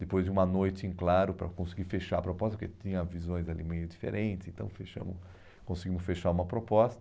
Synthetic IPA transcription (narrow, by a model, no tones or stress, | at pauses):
d̪̥epojzd͡ʒɪũmɐnojt͡ʃɪẽklaɾʊpɾɐkõsiɡiɾfeʃaɐpɾopɔst̪ɐpɾket͡ʃĩɲɐvizõj̃zalḭmejʊd̪ifḛɾʔẽnt̪ɪsẽnt̪ɐ̃w̃feʃɐ̰̃mʊs | kõsiɡĩmʊsfeʃaũmɐpɾopɔst̪ɐ̥